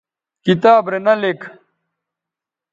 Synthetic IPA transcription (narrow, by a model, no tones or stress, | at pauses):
kit̪aːbɾenɐlek